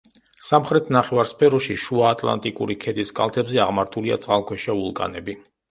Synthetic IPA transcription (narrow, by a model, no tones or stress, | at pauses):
samχɾɛt̪ʰnaχɛvaɾspʰɛɾɔʃiʃuaːt̪ʼlˠa̰nt̪ʼikʼuɾikʰɛd̪iskʼa̰lˠt̪ʰɛbzɛaʁmaɾt̪ʰulia̰t̪sʼqʼalˠkʰwɛʃaulˠkʼa̰nɛbi